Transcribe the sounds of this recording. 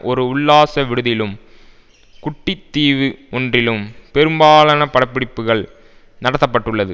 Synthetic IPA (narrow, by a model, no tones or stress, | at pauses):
ʔɔɾɯʊɭːaːsɐʋɪɽɯðɪlɯm | kʊʈːɪt̪ːiːʋɯɔndrɪlɯmpɛɾɯmbaːlɐnɐpɐɽɐpːɪɽɪpːɯɣɐɭ | nɐɽɐt̪ːɐpːɐʈːɯɭːɐðɯ